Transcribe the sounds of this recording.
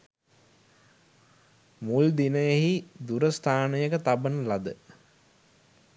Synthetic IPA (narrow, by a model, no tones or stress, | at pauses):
muld̪inəjeɦid̪uɾəst̪ʰaːnəjəkət̪abənəlad̪ə